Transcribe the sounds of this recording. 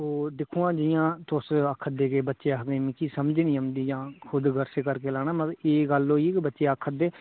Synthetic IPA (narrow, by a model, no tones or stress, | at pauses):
oːd̪ɪkʰũːãːd͡ʒɪjãːt̪ʊsəkʰːəd̪eːkeːbətːʃeːaɦɡemĩːkiːsəmd͡ʒnĩːəmd̪iːd͡ʒãːkʰʊd̪ɡəɾseːkəɾkeːlaːnaːmət̪eːɡəloːieːkːbətːʃeːakʰəd̪eː